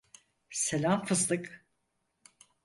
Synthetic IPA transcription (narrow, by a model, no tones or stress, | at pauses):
selʲamfɯzlˠɯk